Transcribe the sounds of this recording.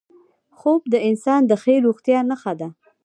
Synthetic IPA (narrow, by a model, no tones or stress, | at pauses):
xob̚d̪əɪnsɑnd̪əxeɾoɣt̪jɑnəxad̪a